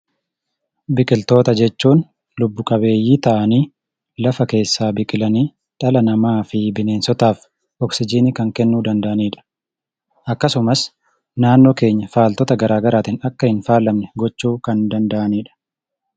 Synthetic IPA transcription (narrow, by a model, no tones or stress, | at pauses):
bɪkʼɪlt̪o̞ːt̪ɐd͡ʒɛt͡ʃːuːn | lʊbːʊkʼɐbe̞ːjːiːt̪ɐʔɐniː | lɐfɐke̞ːsːaːbɪkʼɪlɐniː | ᶑɐlɐnɐmaːfɪbɪne̞ːnsɔt̪aːf | ɔksɪd͡ʒiːnɪkɐŋkɛnːuːd̪ɐnd̪ɐʔɐniːᶑɐ̥ | ʔɐkːɐsʊmɐs | naːnːoːke̞ːɲːɐfaːlt̪ɔt̪ɐɡɐɾaːɡɐɾaːt̪ɪnɐkːɐhɪnfaːlɐmnɛɡɔt͡ʃːuːkɐnd̪ɐnd̪ɐʔɐniːᶑɐ̥